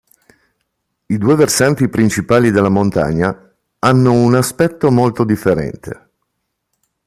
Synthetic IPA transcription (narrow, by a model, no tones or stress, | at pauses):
id̪ueversant̪ipɾint͡ʃipaːlid̪elːamont̪a̰ɲːa | anːounaspɛt̪ːomolt̪od̪ifːeɾɛ̰nt̪ʰḛ